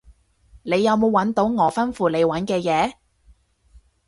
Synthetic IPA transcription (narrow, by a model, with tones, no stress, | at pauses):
ne˨˧jːɐ˨˧wmo˨˧wɐ˨˥nt̪o˨˥wŋɔː˨˧fɐ˥nfuː˧le˨˧jwɐ˨˥nkɛː˧jɛː˨˧